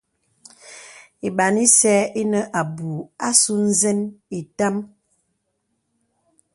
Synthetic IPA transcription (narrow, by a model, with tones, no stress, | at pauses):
i˨ɓa˨ni˦sɛː˦i˦nə˦ʔa˨bu˨a˦su˦n̩˦zɛ˦ni˨ta˦m